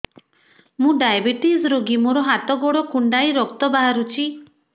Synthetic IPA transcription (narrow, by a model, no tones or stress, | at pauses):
mũɖajbiʈisɾoɡimoɾɔɦat̪ɔɡoɽɔkuɳɖajɾɔkt̪ɔbaɦaɾut͡ʃʰi